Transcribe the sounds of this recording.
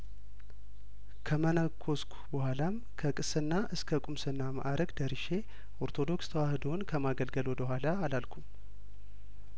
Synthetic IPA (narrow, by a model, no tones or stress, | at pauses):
kʰəmənəkʰːo̞skʷʰu̥bəhʷalam | kʰəkʼɨsɨnːaʔɨskʰəkʼumsɨnːama̰ʔaɾʔəɡd̪əɾiʃe̞ | ʔo̞ɾt̪ʰo̞d̪o̞kst̪ʰəwahɨd̪o̞nkʰəmaɡəlɡəlo̞bəɦʷalaːlalkʰum